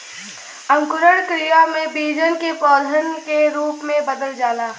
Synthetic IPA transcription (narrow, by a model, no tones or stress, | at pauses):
ə̃ŋkʊɾəɽkɾijamẽbiːd͡ʒənkepɔːd̪ʱənkeɾuːpmẽbəd̪əld͡ʒaːlaː